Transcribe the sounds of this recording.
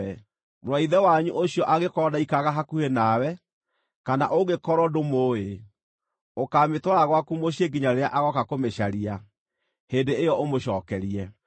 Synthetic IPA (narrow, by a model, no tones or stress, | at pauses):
ɛ | mɾwaiðɛwaɲuʔoɕijɔʔaɣekɔdaikaɣaɦakuhenawɛ | kana̰ʔoɣekɔɾɔdomoːe | okaːmetwɔɾaɣwakumoɕieɡiɲaɾeaʔaɣɔkakomeɕaɾia | heːndeejɔʔomoɕɔːkɛɾiɛ